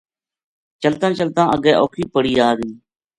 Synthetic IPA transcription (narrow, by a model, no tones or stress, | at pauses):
t͡ʃəlt̪ãːt͡ʃəlt̪ãːʔəɡɛːʔoːkʰiːpəɽiːaːɾiː